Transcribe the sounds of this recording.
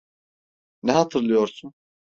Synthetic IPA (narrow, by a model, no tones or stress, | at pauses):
nɛɦat̪ʰɯɾlˠɯjo̞ɾsun